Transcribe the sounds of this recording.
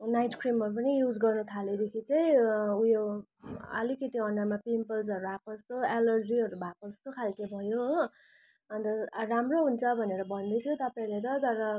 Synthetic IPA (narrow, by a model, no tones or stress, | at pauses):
najʈkʰrimʌɾup̬ʌnijud͡zɡʌrnut̪ʰaled̪ekʰit͡sʌĩujo | ʌ̰likit̪iʌɳɖʌmapimpʌlsʌɾuapʌst̪oelʌrd͡ziʌɾubʱapʌʌst̪okʰalkebʱʌjo | ʌnd̪ʌramroɦunt͡sʰʌbʱʌneɾʌbʱʌnd̪ʌt̪ʰjot̪ʌpaĩlet̪̬ʌd͡zʌɾʌ